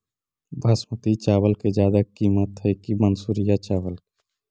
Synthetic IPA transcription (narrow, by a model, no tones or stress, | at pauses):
bʱɐsmət̪it͡ʃaːwəlked͡ʒjaːd̪akiːmət̪ɦɛkimənsuːɾijat͡ʃaːwəl